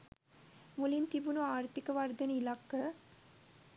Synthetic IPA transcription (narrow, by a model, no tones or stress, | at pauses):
mulint̪ibunuaːɾt̪ikɐʋɐɾd̪ɐnilakːɐ